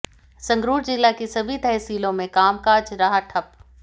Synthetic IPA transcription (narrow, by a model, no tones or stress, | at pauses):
sɐ̃ŋɡɾuːɾd͡ʒɪlːakisɐbʱit̪ɛːsiːlõmẽkaːmkaːd͡ʒɾɐɦaʈʰɐp